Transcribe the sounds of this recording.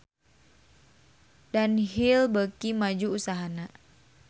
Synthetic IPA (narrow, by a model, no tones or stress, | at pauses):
danɦilbəkimad͡ʒuusaɦana